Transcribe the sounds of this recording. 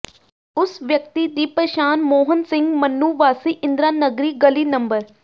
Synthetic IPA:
ʊsʋjək̚t̪iːd̪iːpəʃaːnmoːɦənsɪ̃ŋɡmənːuːʋaːsiːʔɪ̃nd̪ɾaːnəɡɾiːɡəliːnəmbəɾ

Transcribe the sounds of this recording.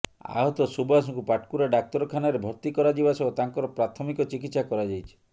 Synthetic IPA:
a̰ɦɔt̪ɔsubas̬ɔŋkupaʈkuɾaɖak̚t̪ɔɾɔkʰanaɾebʱɔɾt̪ikɔɾad͡ʒibasɔot̪aŋkɔɾɔpɾat̪ʰɔmikɔt͡ʃikit̪sakɔɾad͡ʒajt͡ʃʰi̥

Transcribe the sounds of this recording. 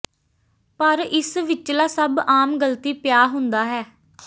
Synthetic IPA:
pəɾɪsʋɪt͡ʃlaːsəbaːmɡəlt̪iːpɪjaːɦʊnd̪aːɦɛː

